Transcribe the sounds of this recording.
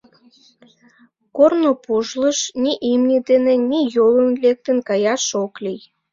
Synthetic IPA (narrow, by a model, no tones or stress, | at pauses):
kornopuʒləʃnʲiʔimnʲid̪enenʲijolənlek̚t̪ə̆nkɑjɑʃoklij